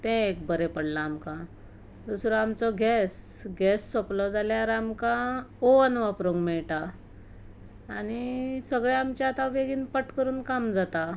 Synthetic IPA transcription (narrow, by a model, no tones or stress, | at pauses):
t̪ɛ̃ekbəɾepəɽlaːmkã | d̪usɾoamt͡sɔɡʱɛs | ɡɛsːoplɔd͡zaljaɾamkaoənʋapɾoŋɡmɛɭʈa | aɽ̃isəɡɭjaamt͡ɕjaːt̪ãʋeɡiːnpəʈkəɾuːnkamd͡zat̪a